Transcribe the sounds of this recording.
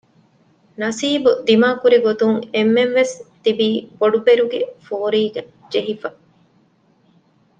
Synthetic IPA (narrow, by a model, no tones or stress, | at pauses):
nɐsiːbud̪imaːkuɾiɡot̪uŋemːenʋest̪ibiːboɖubeɾuɡefoːɾiːɡɐ | d͡ʒeɦifɐ